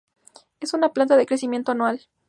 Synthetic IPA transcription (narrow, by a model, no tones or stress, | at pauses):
e̞sunaplant̪aðekɾesimje̞nt̪oanwal